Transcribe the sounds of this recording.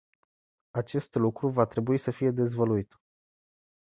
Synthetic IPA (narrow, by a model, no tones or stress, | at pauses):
at͡ʃe̞st̪lukɾuvat̪ɾe̞buisəfije̞d̪e̞zvəluit̪